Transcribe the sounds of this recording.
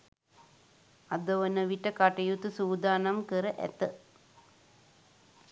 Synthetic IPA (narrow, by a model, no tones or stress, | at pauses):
ɐd̪oʋɐnɐʋiʈːɐkaːʈːɐjut̪ːɨsuːd̪aːnɐmkɨɾɨʔḛt̪ːɨ